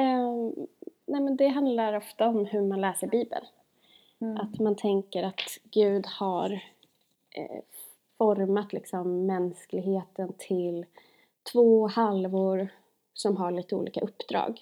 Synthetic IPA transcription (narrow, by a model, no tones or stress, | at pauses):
nɛːmɛnd̪ɛɦand̪laɾɔft̪aɔmhɵmanlɛːsəɾbiːbə̰n | ʔat̪mant̪ʰɛŋkəɾat̪ɡ̥ʉ̟ːd̪haɾ̰ | fɔɾmat̪lɪksɔmːɛnsklɪɡheːt̪ənt̪ʰɪl | t̪ʰvoːhalvʊɾ | sɔmɦaɭiːt̪əṵːlḭːka̰ʔɵpːd̪ɾɑ̰ːɡ